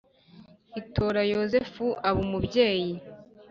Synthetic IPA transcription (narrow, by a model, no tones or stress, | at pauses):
itʰoɾajo̞zefuʔaβumubɟe̞ːji